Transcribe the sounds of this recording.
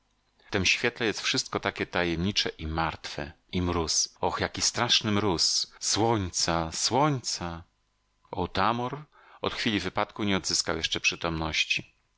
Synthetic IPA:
t̪ɛmɕfʲjɛt̪lɛjɛst̪fʂɘst̪̚kɔt̪akʲɛt̪ajɛmɲit͡ʂɛʔimaɾt̪fɛ̰ | imɾusɔxjakʲist̪ɾaʂnɘmɾusswɔɲt̪saswɔɲt̪sa | ʔɔwt̪amɔɾ | ɔ̰t̪xfʲilʲivɘpat̪kuɲɛɔd̪zɘskawjɛʂt͡ʂɛpʂɘt̪ɔmnɔɕt͡ɕi

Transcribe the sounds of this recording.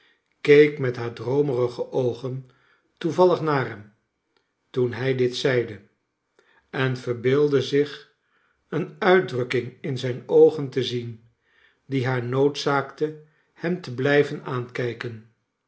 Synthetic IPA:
kejkmɛtɦaːɹdrowmərəχəʔowχən | tuvɑlˠəχnaːɹɦɛm | tunɦɛjdɪtsɛjdə | ɛnvəɹbɪːlˠdəzɪχ | ənœɥdrɵkɪŋɪnzɛjnowχəntəzin | diɦaːɹnowtsaːktə | hɛmtəblɛjvənaːnkɛjkən

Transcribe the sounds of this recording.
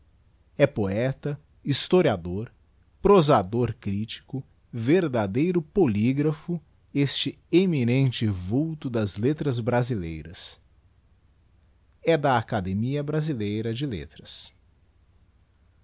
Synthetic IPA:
ɛpoɛt̪ɐ | ist̪oɾiad̪oɾ | pɾozad̪oɾkɾit͡ʃi̥kʊ | veɾd̪ad̪ejɾʊpoliɡɾɐfʊ | est͡ʃɪ | eminẽnt͡ʃɪvuwt̪ʊd̪ɐzlet̪ɾɐzbɾazilḛjɾɐs | ɛd̪ɐakad̪emiɐbɾazilejɾɐd͡ʒɪlḛt̪ɾɐs

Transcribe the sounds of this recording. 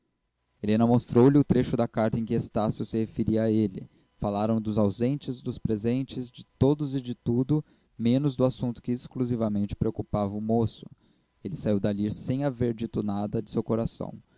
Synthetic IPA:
elẽnɐmost̪ɾowlɪʊt̪ɾeʃʊd̪ɐkaɾt̪ɐẽj̃kɪest̪asjʊsɪhefeɾiɐaelɪ | falaɾɐ̃w̃d̪ʊzawzẽnt͡ʃɪzd̪ʊspɾezẽnt͡ʃɪzd͡ʒɪt̪od̪ʊzɪd͡ʒɪt̪ud̪ʊ | mẽnʊzd̪ʊasũnt̪ʊ̥kɪeskluzivɐmẽnt͡ʃɪ̥pɾeokupavɐʊmosʊ̥ | elɪsaiwd̪aliɾsẽj̃aveɾd͡ʒit̪ʊnad̪ɐd͡ʒɪsewkoɾasɐ̰̃w̃

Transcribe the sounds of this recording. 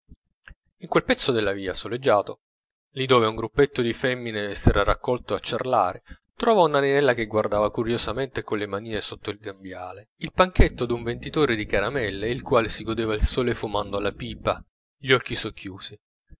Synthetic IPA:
iŋkwelpɛt̪sːod̪elːaviːasoled͡ʒːaːt̪o | lid̪oːveuŋɡɾupːet̪ːod̪ifɛmːinesɛːɾarakːɔlt̪oat͡ʃːerla̰ːɾe | t̪ɾɔːvaunaninɛlːakeɡward̪aːvakuɾjozament̪ekonlːemaniːnesot̪ːoilɡambjaːleilpaŋket̪ːod̪uɱvent̪it̪oːɾed̪ikaɾamɛlːeilkwaːlesiɡod̪eːvailsoːlefumand̪oalapiːpa | ʎɔkːisokʰːjuːzi

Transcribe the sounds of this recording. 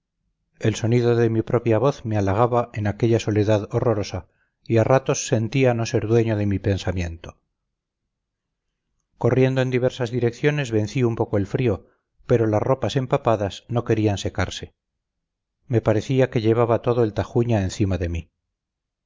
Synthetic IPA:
e̞lso̞niðo̞ðe̞mipɾo̞pjaβ̞o̞θmealaɣ̞aβaʔe̞nake̞ʎaso̞le̞ðaðo̞ro̞ɾo̞sa | iarat̪o̞sːe̞nt̪iano̞se̞ɾðwe̞ɲoð̞e̞mipe̞nsamje̞nt̪o̞ | ko̞rje̞nd̪oe̞nd̪iβe̞ɾsazðiɾe̞kθjo̞ne̞zβe̞nθiumpo̞ko̞e̞lfɾio̞ | pe̞ɾo̞lasro̞pase̞mpapaðasno̞ke̞ɾianse̞ka̰ɾse̞̥ | me̞paɾe̞θiake̞ʎe̞β̞aβat̪o̞ðoe̞lt̪axuɲaenθimaðe̞mi

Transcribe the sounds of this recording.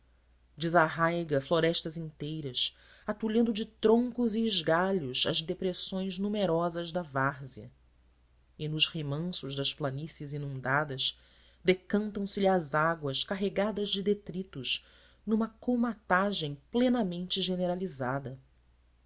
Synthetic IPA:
d͡ʒɪzaɦajɡɐfloɾɛʃt̪ɐzĩnt̪ejɾɐs | at̪uʎɐ̃nd̪ʊd͡ʒɪt̪ɾõŋkʊziːʒɡaʎʊzɐzd̪epɾesõj̃znumeɾɔzɐzd̪ɐvaɾziɐ̰ | ɪnʊʃhemɐ̃sʊʒd̪ɐʃplanisizinũnd̪ad̪ɐʃ | d̪ekɐ̃nt̪ɐ̃w̃sɪʎiazaɡwɐʃkaɦeɡad̪ɐzd͡ʒɪd̪et̪ɾit̪ʊʃ | nũmɐkowmat̪aʒẽj̃plẽnɐmẽnt͡ʃɪʒeneɾalizad̪ɐ

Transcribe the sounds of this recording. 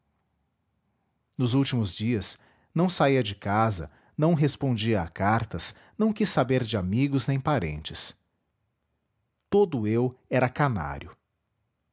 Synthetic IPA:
nʊzuwt͡ʃimʊzd͡ʒiɐs | nɐ̃w̃saiɐd͡ʒɪkazɐ̰ | nɐ̃w̃ɦespõd͡ʒiɐakaɾt̪ɐs | nɐ̃w̃kisːabeɾd͡ʒɪamiɡʊznẽj̃paɾḛ̃nt͡ʃɪs | t̪od̪ʊewɛɾɐkana̰ɾʲjʊ

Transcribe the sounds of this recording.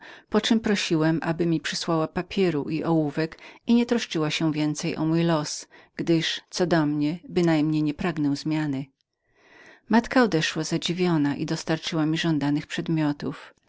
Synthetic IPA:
pɔt͡ʂɘmpɾɔɕiwɛmʔabɘmʲipʂɘswawapapʲʰjɛɾuʔiʔɔwuvɛkiɲɛt̪ɾɔʂt͡ʂɘwaɕɛvʲjɛnt̪sɛjʔɔ̰mujlɔsɡ̥d̪ɘʂt̪sɔd̪ɔmɲɛbɘnajmɲejɲɛpɾaɡnɛw̃zmʲjanɘ | mat̪kaɔd̪ɛʂwazad͡ʑivʲjɔnaʔḭd̪ɔst̪aɾt͡ʂɘwamʲiʐɔnd̪anɘxpʂɛd̪mʲjɔt̪uf

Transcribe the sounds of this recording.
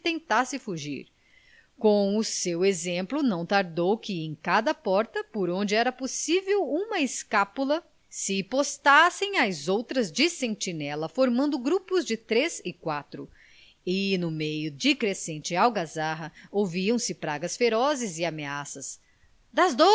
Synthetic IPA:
t̪ẽnt̪asɪfuʒḭɾ | kõw̃ʊsewezẽmplʊnɐ̃w̃t̪aɾd̪owkɪẽj̃kad̪ɐpɔɾt̪ɐpoɾõnd͡ʒɪɛɾɐposivewũmɐɪskapulɐ | sɪpost̪asẽj̃azowt̪ɾɐzd͡ʒɪsẽnt͡ʃinɛlɐfoɾmɐ̃nd̪ʊɡɾupʊzd͡ʒɪt̪ɾezɪkwat̪ɾʊ̰ | ɪnʊmejʊd͡ʒɪkɾesẽnt͡ʃɪawɡazaɦɐowviɐ̃w̃sɪpɾaɡɐsfeɾɔzɪzɪameasɐs | d̪ɐzd̪o

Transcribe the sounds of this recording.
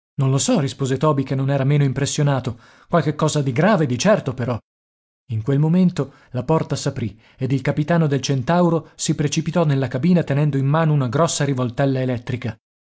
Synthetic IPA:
nõnlosɔrispoːzet̪ɔːbikenːonɛːɾameːnoimpɾesːjonaːt̪o | kwalk̟ekːɔːzad̪iɡɾaːved̪it͡ʃɛrt̪opeɾɔ | iŋkwelmoment̪o | lapɔrt̪asapɾi | ed̪ilkapit̪aːnod̪elt͡ʃent̪awɾosipɾet͡ʃipit̪ɔnelːakabiːnat̪enɛnd̪oimmaːnounaɡɾɔsːaɾivolt̪ɛlːaelɛt̪ːɾika

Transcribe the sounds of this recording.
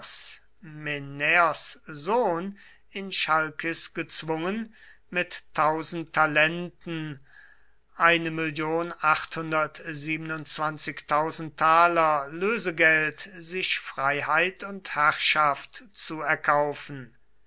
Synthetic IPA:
s | menɛɔszoːn | ɪnʃalkɪsɡ̥ət͡sv̥ʊŋən | mɪtʰːaʊzn̩tʰalɛntn̩ | ʔaɪnəmɪljoːnaχthʊndɐtziːbənʊntt͡sv̥ant͡sɪktʰaʊzn̩ttʰːaːlɐløːzəɡɛltzɪʃfʁ̥aɪɦaɪtʊnthæʁʃaftt͡suɛɐkʰaʊfn̩

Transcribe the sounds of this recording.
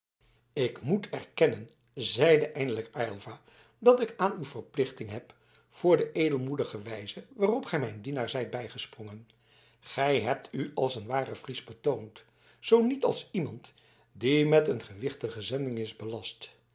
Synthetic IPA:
ɪkmutʰɛrkɛnən | zɛjdəʔɛjndələkajlˠvaː | dɑtɪkaːnywvəɹplɪχtɪŋɦɛp | fʊːɹdəʔejdəlˠmudəχəʋɛjzəʋaːrɔpχɛjmɛjndinaːɹzɛjt̚bɛjχəsprɔŋən | χɛjɦɛp̚tʰyɑlˠsənʋaːrəfrizbətownt | z̥ownitɑ̰lˠsimɑnt | dimɛtənχəʋɪχtəχəzɛndɪŋɪzbəlɑst

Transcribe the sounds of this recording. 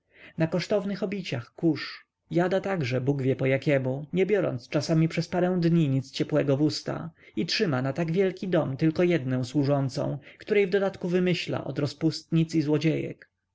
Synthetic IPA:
nakɔʂt̪ɔvnɘxɔbʲit͡ɕaxkuʂ | jad̪at̪aɡʐɛbuɡvʲjɛpɔjakʲɛmuɲɛbʲjɔɾɔ̰nt̪st͡ʂasamʲipʂɛspaɾɛ̃w̃d̪ɲiɲit̪st͡ɕɛpwɛɡɔvust̪a̰itʂɘmanat̪aɡvʲjɛlkʲid̪ɔmt̪ɘlkɔjɛd̪nɛ̃w̃swuʐɔnt̪sɔ̰̃w̃kt̪uɾɛjvd̪ɔd̪at̪kuvɘmɘɕla̰ʔɔ̰d̪ɾɔspust̪ɲit̪sizwɔd͡ʑejɛ̰k

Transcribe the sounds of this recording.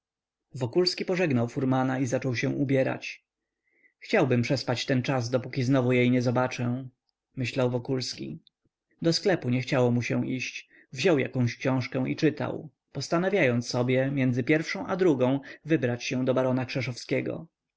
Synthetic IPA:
vɔkulskʲipɔʐɛɡnawfuɾmanaizat͡ʂɔwɕɛ̃w̃ʔubʲjɛɾa̰t͡ɕ | xt͡ɕawbɘmpʂɛspat͡ɕt̪ɛnt͡ʂazd̪ɔpukʲiznɔvujejɲɛzɔbat͡ʂɛ̃ | mɘɕlawvɔkulskʲḭ | d̪ɔsklɛpuɲɛxt͡ɕawɔmuɕɛ̃w̃ʔiɕt͡ɕ | vʑɔwja̰kɔ̃w̃ɕkɕɔ̃w̃ʂkɛ̃w̃ʔḭt͡ʂɘt̪a̰w | pɔst̪anavʲjajɔnt̪ssːɔbʲjɛmʲjɛnd̪zɘpʲjɛɾfʂɔ̃w̃ʔad̪ɾuɡɔ̃w̃vɘbɾat͡ɕɕɛ̃d̪ɔbaɾɔnakʂɛʂɔfskʲɛɡɔ̰

